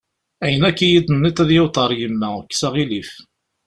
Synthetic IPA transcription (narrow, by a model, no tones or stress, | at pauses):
æjənækːijid̪ənːit̪æðjɪwt̪ˤɑɾˤjəmːækːsæʁilif